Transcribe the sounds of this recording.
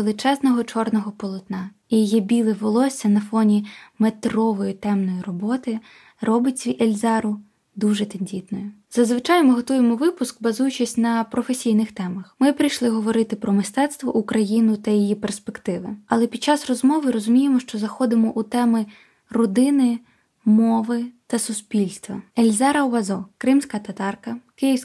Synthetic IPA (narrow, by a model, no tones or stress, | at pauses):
elˠɪt͡ʃɛznɔɦɔt͡ʃɔrnɔɦɔpɔlˠɔt̪nɑ | ijɔjibʲilˠɪʋɔlˠɔsʲːɐnɐfɔnʲimet̪rɔʋɔjit̪ɛmnɔjirɔbɔt̪ɪ | rɔbɪtʲiʔelʲzɑɾʊ | d̪uʒɛt̪ɐnʲdʲit̪nɔjʊ | z̥ɐzʋɪt͡ʃɑjmɪɦɔt̪ujemɔʋɪpʊskbɐzujʊt͡ʃɪsʲnɐpɾɔfesʲijnɪxt̪ɛmɐxmɪpɾɪjʃlˠɪɦɔʋɔɾɪt̪ɪpɾɔmɪst̪ɛt̪st̪ʋɔ̰ʔukɾɐjinʊt̪ɐjijiperspekt̪ɪʋɪɐlˠɛpʲid̪̚t͡ʃɑsrɔzmɔʋɪɾɔzʊmʲijemɔʃt͡ʃɔzɐxɔd̪ɪmɔʔut̪ɛmɪ | rɔd̪ɪnɪ | mɔʋɪt̪ɐsʊspʲilʲst̪ʋɐ̰elʲzɛɾɐɔʋɐzɔkɾɪmsʲkɐt̪ɐt̪ɑrkɐkɪjiws